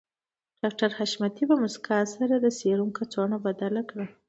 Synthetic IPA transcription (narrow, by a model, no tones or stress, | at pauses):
ɖ̥ɑk̚ʈaɾhaʃmat̪ibamʊskʰɑsaɾad̪əseɾuŋkat͡soɳabad̪alakɽa